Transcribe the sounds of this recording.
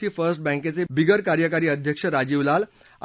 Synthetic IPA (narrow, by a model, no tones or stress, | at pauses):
iːfəɾsʈ̚bɛ̃ŋket͡sebʱiɡəɾkaɾjəkaɾiːəd̪ʱjəkʂəɾad͡ʑiʋlal